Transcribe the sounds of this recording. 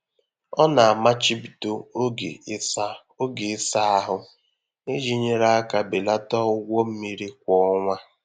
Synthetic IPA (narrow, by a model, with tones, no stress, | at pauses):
ɔ˦na˨a˨ma˦t͡ʃi˦pi˨to˦o˦ɡḛ˨˦sa˦ | o˦ɡe˨ɪ˦sa˦a˦ɦʊ˦ | ne˦d͡ʒi˦ɲe˦ɾa˦a˦ka˨be˨la˦tɔ˦ʊ˦ɡʷo˦m̩˦mi˦ɾi˦k̚ʷɔ˨ɔ˦ŋʷa˦